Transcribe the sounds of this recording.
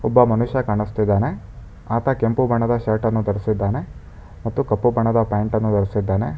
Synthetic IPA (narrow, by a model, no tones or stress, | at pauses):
ɔbːɐmɐnuʃjɐkaːɳist̪id̪ːaːne̞ | aːt̪ʰɐkempubʱɐɳɐd̪ɐʃaːɾʈɐnːud̪ɐɾisid̪ːaːne̞ | mɐt̪ːukɐpːubʱɐɳɐd̪ɐpaːɳʈɐnːud̪ɐɾisid̪ːaːne̞